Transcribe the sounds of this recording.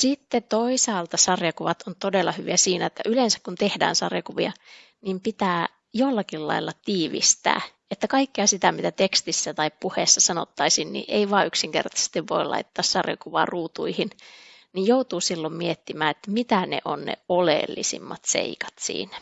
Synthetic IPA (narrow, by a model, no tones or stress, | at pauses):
sit̪ːet̪oisɑːlt̪ɑsɑrjɑkuʋɑt̪ont̪odelːɑhyʋiæsiːnæet̪ːæ̰ʔylensæ̥kkunt̪ehdæ̰ːnsɑrjɑkuʋiɑ | niːmpit̪æː | jolːɑkillɑ̰ilːɑt̪iːʋḭst̪æ̰ː | et̪ːækɑikːiɑsit̪æmit̪æt̪ekst̪isːæt̪ɑippuhesːɑsɑno̰t̪ːɑisinnḭʔeiʋɑːʔyksiŋkert̪ɑse̥st̪iʋʋo̰ilʔɑ̰it̪ːɑːssɑrjɑ̰kuʋɑ̰ːruːt̪uihin | nijjout̪uːsilːommiet̪ːimæːet̪ːæmit̪ænḛʔo̰nnḛolḛlːḭsḭmːɑt̪sḛikɑ̥t̪sḭːnæ̥